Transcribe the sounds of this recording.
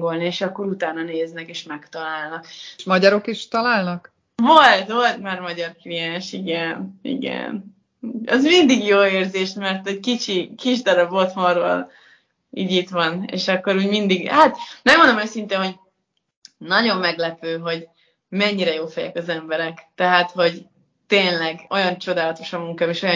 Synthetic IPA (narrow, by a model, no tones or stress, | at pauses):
ɡo̞lnieːʃɒkːo̞ɾut̪aːnɒneːznɛkeːʃmɛkt̪ɒlaːlnɒkʃmɒɟɒɾokiʃt̪ɒlaːlnɒk | vo̞lt̪ʋo̞lt̪maːrmɒɟɒrklijɛnʃiɡɛnḭɡɛ̰n | uɒzmind̪iɡjoːeːrzeːʃmɛrt̪ɛckit͡ʃikiʒd̪ɒɾɒbot̪moro̰l | ḭːɟit̪ʋɒnḛːʃɒkːo̞ɾuːɟmind̪iɡhat̪nɛɡond̪omøːsint̪eːnɦo̞ɟ | nɒɟo̞mːɛɡlɛpøːɦo̞ɟ | mɛɲːiɾɛjoːfɛjɛ̰kɒzɛmbɛɾɛkt̪ɛɦat̪ho̞ɟ | t̪eːnlɛɡo̞jɒnt͡ʃo̞d̪aːlɒt̪o̞ʃɒmuŋkaːmeʃo̞j